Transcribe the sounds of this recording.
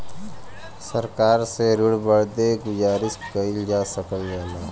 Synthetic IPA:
səɾkaːɾseɾʊɽbəɾd̪eɡʊd͡ʒaːɾɪskəild͡ʒaːsəkəlɡɛːlaː

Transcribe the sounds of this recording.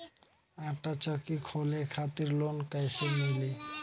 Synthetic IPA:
aʈat͡ɕɔkikʰolekʰat̪iɾlonkajsemili

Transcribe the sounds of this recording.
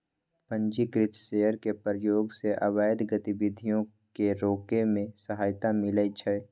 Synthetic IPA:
pə̃ɲd͡ʒikɾɪt̪ʃeːəɾkepɾjoːɡseʔəbaːjd̪ɡət̪ibɪd̪ʱijõ | keɾoːkemẽsəɦaːjt̪amɪləit͡ʃʰɛ

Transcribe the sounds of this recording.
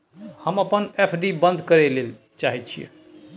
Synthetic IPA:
həməpənepʰɖibə̃nd̪ʱkəɾelel | t͡ʃaɦit̪̚t͡ʃʰḭḛ

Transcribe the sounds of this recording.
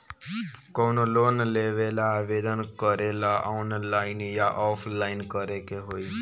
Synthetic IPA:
kɔnolonleʋelaːʋed̪ənkəɾelaʔɔnlaɪnjaʔɔpʰlainkəɾekeɦoi

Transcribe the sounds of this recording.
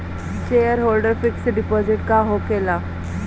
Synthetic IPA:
t͡ɕejəɾɦolɖəɾfiksɖipɔd͡ziʈkaɦokela

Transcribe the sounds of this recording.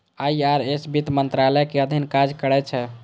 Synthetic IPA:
aiaɾesbit̪mənt̪ɾalɛkeəd̪ʱinkad͡ʒkəɾɛt͡ʃʰɛ

